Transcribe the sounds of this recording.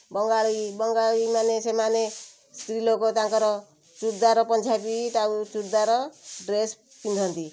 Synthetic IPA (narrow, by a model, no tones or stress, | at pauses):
bɔŋɡaɭibɔŋɡaɭimanesemane | st̪ɾilokot̪ãŋkɔɾɔ | t͡ʃuɾd̪aɾɔpɔnd͡ʒʰabiʈawt͡ʃuɾd̪aɾɔɖɾes | pind̪ʱɔnt̪i